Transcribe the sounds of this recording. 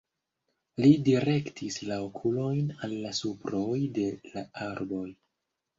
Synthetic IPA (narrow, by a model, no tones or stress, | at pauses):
lidiɾe̞ktʰislaokʰulo̞jnalːasupɾo̞jde̞laaɾbo̞j